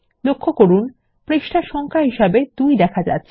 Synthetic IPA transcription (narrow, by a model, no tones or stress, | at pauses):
lokʰːokoɾun | pɾiʃʈaɾʃɔŋkʰaɦiʃabed̪ujd̪ɛkʰad͡ʑa̰tːɕʰe